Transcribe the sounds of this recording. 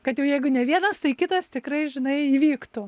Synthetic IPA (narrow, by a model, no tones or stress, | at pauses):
kɐt̪jɛʊjɛɪɡʊnʲɛʋʲiɛnɐst̪ɐɪkʲɪt̪ɐst̪ʲɪkrɐɪʒʲɪnɐɪiːʋʲiːkt̪ʊ